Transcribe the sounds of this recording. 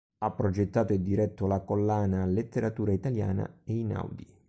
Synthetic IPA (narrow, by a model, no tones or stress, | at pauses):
apːɾɔd͡ʒɛt̪ːaːt̪oid̪iɾɛt̪ʰːolakolːaːnalet̪ːeɾat̪uːɾait̪alja̰ːna̰eina̰wd̪i